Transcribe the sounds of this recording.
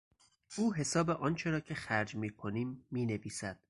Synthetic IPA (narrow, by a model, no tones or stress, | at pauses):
uːɦe̞sɒːbeʔɒːnt͡ʃʰe̞ɾɒːcʰe̞xæɾd͡ʒmiːkʰo̞niːmːiːneviːsæd̪̥